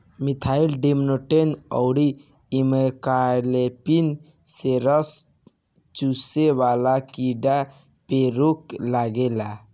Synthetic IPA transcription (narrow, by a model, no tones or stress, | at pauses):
mit̪ʰailɖemnoʈenɔ̰ʊɽiː | mekalepin | seɾəs | t͡ʃuseʋalakiɖa | peɾuklaɡela